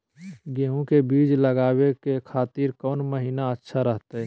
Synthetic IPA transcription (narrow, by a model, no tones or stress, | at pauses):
ɡeːɦũkebiːd͡ʒləɡaːwekekʰaːt̪iːɾkɔːnməɦiːnaətːʃʰaɾəɦt̪eɦɛ